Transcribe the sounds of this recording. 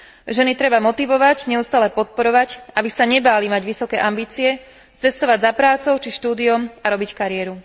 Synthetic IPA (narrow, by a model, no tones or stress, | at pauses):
ʒɛnit̪ɾɛbamɔt̪iʋɔʋaɟɲɛust̪aːlɛpɔt̪̚pɔɾɔʋaɟʔabisaɲɛbaːlimaɟʋisɔkɛʔambiːt͡siɛ | t͡sɛst̪ɔʋaɟzapɾaːt͡sɔʊt͡ʃiʃt̪uːd̪iɔmaɾɔbickaɾɪɛɾu